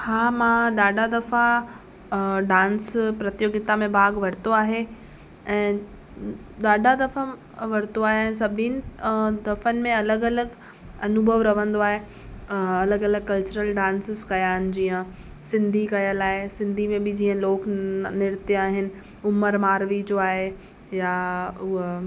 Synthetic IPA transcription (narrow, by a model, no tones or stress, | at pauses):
haːmãɗaːɖʱad̪ɐfa | ɖãːnspɾɐt̪joɡɪt̪amẽbʱaːɡʋɐɾɪt̪oaːɦe | ɛ̃ː | ɗaːɖʱad̪ɐfa | ʋɐɾ̤ɪt̪oaːɦeɛ̃ːs̬ɐbʱinɪ̆d̪ɐfənɪ̆mẽɐləɡɐləɡ | ɐnʊbʱəʋɾɐʋ̤ə̃nd̪oaːɦe | ɐləɡɐləɡ̚kɐlt͡ɕʊɾəlɖãːnsɪzkɐjaːɦɪnɪ̆d͡ʑiːə̃ | sɪ̃nd̪ʱikɐjəlaːɦesɪ̃nd̪ʱimẽbɪd͡ʑiːə̃loːknɪɾɪt̪jaːɦɪnɪ̆ | ʊməɾmaːɾʋid͡ʑoaːɦe | jaʊɦo